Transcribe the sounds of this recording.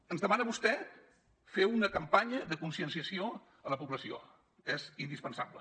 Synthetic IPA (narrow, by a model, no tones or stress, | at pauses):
ənzðəmanəβust̪ɛ | feunəkəmpaɲəðəkunsiənsiəsio | ələpuβləsio̰ | ɛzind̪ispənsaβlə̰